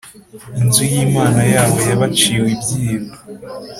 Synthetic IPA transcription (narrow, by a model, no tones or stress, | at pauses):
inzujiːmaːnajaːβo̞jaβat͡ʃiːwibɟiːɾo